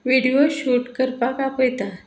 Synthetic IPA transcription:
ʋiɽijoɕuʈkəɾpakapojt̪a

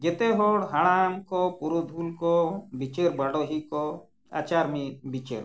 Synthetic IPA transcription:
ɡɛt̪ɛɦɔɽɦaɽ̃amkɔpuɾud̪ʱulkɔbit͡ʃeɾbaɽɔɦikɔ | a̰t͡ʃaɾmibit͡ʃḛɾ

